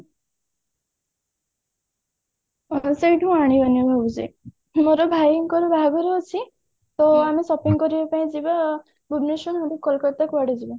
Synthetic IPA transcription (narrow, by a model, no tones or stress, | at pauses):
seiʈʰuũaɽ̃ibanibʱɔbut͡ʃi | moɾɔbʱajŋkɔɾɔbʱaɡɔɾeɔt͡ʃʰi | t̪ɔamisɔpiŋkɔɾibapaĩd͡ʒiba | buɾnesɔnɦɔd̪ikːɔlkɔt̪akbaɽid͡ʒiba